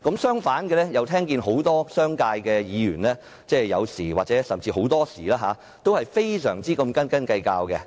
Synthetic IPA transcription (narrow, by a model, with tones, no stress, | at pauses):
kɐ˨˥msœː˥ŋfaː˨˥nkɛ˧lɛ˥jɐ˨˧wt̪ʰɛː˥ŋk̬iː˧nɦo˨˥wt̪ɔː˥sœː˥ŋkaː˧jkɛː˧jiː˨˧jyː˨˩nlɛː˥ | t͡sɛː˥˩jɐ̰˨˧wsiː˨˩waː˨t͡sɛː˨˥sɐ˨mt͡siː˧ɦo˨˥wt̪ɔː˥siː˨˩laː˥ɦaː˨˦ | t̪o˥whɐ˨jfe˥jsœ̰ː˨˩ŋt͡siː˥kɐ˧mkɐ˥nkɐ˥nkɐ˧jkaː˧wkɛ˧